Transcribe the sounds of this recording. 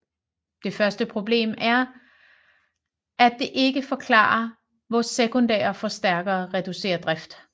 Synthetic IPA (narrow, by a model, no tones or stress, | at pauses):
d̥e̝fɶɐsd̥əpʰʁo̝b̥le̝̰ːmæɐ | æd̥e̝ʔe̝ɡ̥əfɒ̽kʰlɑ̰̈ːɐ | ʋɒsekʰond̥ɛ̰ːɐfɒ̽sd̥æɐɡ̥ɐːʁɛd̥use̝̰ːɐd̥ʁɛfd̥